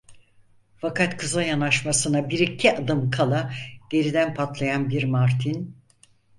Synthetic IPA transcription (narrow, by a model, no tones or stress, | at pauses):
fakʰat̪kʰɯzajanaʃmasɯnabiɾicʰːiʔad̪ɯmkʰalˠaɟ̥e̞ɾid̪ænpʰat̪lˠajanbiɾmaɾt̪ʰin